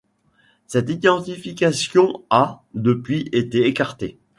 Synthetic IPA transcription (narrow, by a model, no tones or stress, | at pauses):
sɛt̪id̪ɑ̃t̪ifikʲasjɔ̃ad̪əpɥiʔet̪eekaʁt̪e